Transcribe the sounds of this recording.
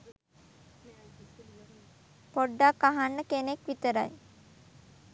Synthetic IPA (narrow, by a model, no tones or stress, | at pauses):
poɖːakːaɦanːəkenekʋit̪əɾa̰j